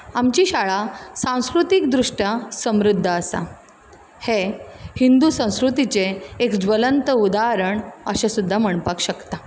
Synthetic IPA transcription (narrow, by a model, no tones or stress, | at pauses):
amt͡ɕiːɕaɭasãw̃skɾut̪ikd̪ɾuʂʈjasəmɾud̪ʱːəəsa̰ | hehind̪usə̃w̃skɾut̪it͡seekd͡zʋələnt̪əud̪aɾəɳəɕasud̪ʱːam̤əɳ̃pakɕəkt̪a